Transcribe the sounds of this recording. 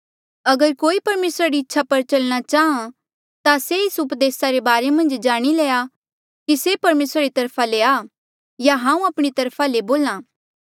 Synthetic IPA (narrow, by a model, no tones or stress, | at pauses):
ɐɡəɾkoːipɐɾmeːsɾaɾiɪtːʃʰapɐɾt͡ʃɐlɽ̃at͡ʃaːɦã | t̪aseɪsʊpd̪eːsaɾebaːɾemɐ̃nd͡ʒd͡ʒaːɽ̃ileːa | kisepɐɾmeːsɾaɾit̪ɐɾpʰaleaː | jaɦãːũɐpɽ̃it̪ɐɾpʰaleboːlãː